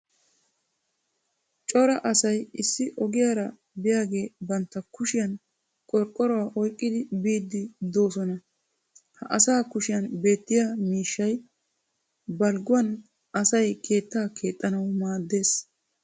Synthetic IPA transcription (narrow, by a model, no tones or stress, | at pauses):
t͡ʃʼɔɾɐʔɐsɐjɪsːɪʔɔɡɪjaɾɐ | bɪjaːɡe̞ːbɐnt̪ːɐkʊʃɪjɐn | kʼɔɾkʼːɔɾɔwaːʔɔjkʼːɪd̪ɪbiːd̪ːɪd̪o̞ːsɔnɐ | hɐʔɐsaːkʊʃɪjɐnbe̞ːt̪ːɪjamiːʃːɐj | bɐlɡʊwɐn | ɐsɐjkʰe̞ːt̪ːaːkʰe̞ːt̪ʼːɐnɐwmaːd̪ːe̞ːs